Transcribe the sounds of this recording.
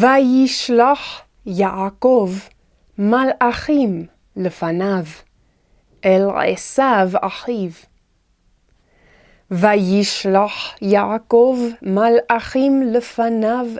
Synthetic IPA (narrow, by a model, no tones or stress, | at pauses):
vajiʃlaχ | jaʔkov | malʔaχim | ləfanav | ʔelʁḛsava̰ħiv | vajiʃlaħjaakovmalʔaχimləfanav